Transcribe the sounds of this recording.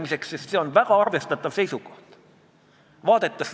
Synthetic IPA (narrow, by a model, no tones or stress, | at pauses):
miseksesseonʋækɑɑrʋest̪ɑt̪ːɑʋseisuko̥ht̪ | ʋɑːt̪et̪ːɑs